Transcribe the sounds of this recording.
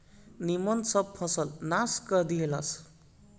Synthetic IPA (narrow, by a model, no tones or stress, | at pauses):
nimʌnsʌb̚pʰʌsʌlnaskʌd̪ielʌs